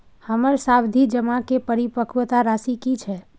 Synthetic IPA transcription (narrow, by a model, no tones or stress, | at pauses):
həməɾsabd̪ʱid͡ʒəmakepəɾipəkʰʋət̪aɾasikit͡ʃʰɛ